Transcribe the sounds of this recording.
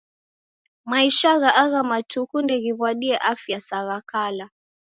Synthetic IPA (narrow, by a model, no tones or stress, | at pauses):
maiʃaɣaʔaɣamatukundɛɣiβwaɗiɛʔafjasaɣakala